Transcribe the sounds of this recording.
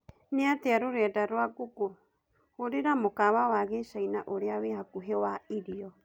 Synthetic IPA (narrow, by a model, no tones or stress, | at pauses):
neateaɾoɾeadaɾoakuku | hoɾeɾamokaβawaɣesainaʔoɾeaβehakuɦeoaʔiɾio